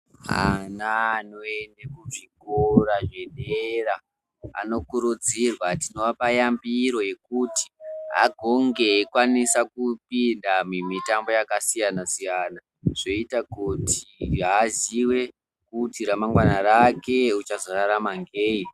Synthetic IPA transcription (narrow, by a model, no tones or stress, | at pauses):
ɦa̰nanoenekuʐikoraʐe̞ɗera | a̰no̞kuɾud͡zirwatino̞ʋapajambiɾo̞je̞kuti̥ɦa̰ɡʱo̞ŋɡe̞ːkwanisakupindamumitambo̞jakasijanasijana | ʐ̥o̞itakutʰiɦaziwe̞ | kutiɾamaŋɡwanaɾake̞ut͡ʃazoraɾamaŋɡeːi